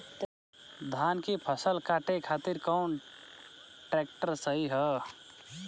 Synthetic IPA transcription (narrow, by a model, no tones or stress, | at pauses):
d̪ʱaːnkipʰəsəlkaːʈekʰaːt̪ɪɾkɔːn | ʈɾɛːk̚ʈəɾsəɦiɦɛː